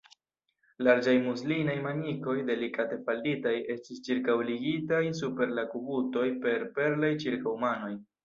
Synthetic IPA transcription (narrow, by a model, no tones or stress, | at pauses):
laɾd͡ʒajmuslinajmaniko̞jde̞likate̞falditaje̞stist͡ʃiɾkawliɡitajs̬upe̞ɾlakubuto̞jpe̞ɾpe̞ɾlajt͡ʃiɾkawmano̞j